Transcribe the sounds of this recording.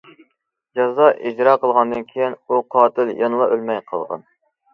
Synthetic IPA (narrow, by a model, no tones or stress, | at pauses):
d͡ʒɑzɑʔid͡ʒɾɑːqəlˠʁɑnd̪ɨnkʲʰejinuqʰɑːt̪ʰɪljɑnɨlˠɑʔølmɛjqʰɑ̰lˠʁɑ̰n